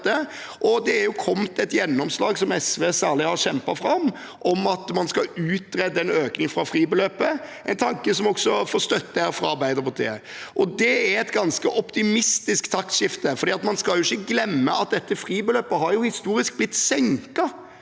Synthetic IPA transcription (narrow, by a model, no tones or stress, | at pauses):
t̪ə | ʔɔd̪ɛæɾjʊkʰɔmt̪ɛt̪jɛnːɔmslɑːɡsɔmɛsʋeːsæːɾlɪhɑɕɛmpɑfɾɑm | ʔɔmɑt̪mɑnskɑʉːt̪̚ɾɛd̪ːəɛnøːknɪŋfɾɑfɾiːbəløːpəʔɛɪnt̪ʰɑŋkəsɔmɔksɔfoːɾst̪œt̪ːəhæɾfɾɑɑɾbæɪd̪əɾpʊt̪ʰḛːə | ʔɔd̪ɛæɾɛt̪ɡɑnskəʔɔpt̪ɪmɪst̪ɪskt̪ʰɑk̪ʃɪft̪əfɔɾd̪iːɑt̪mɑnskɑljʊɪçːəɡlɛmːəɑt̪̚d̪ɛt̪ːəfɾiːbəløːpːəɦɑɾjʊhɪst̪uːɾɪsk̚blɪt̪ːsɛŋkɑ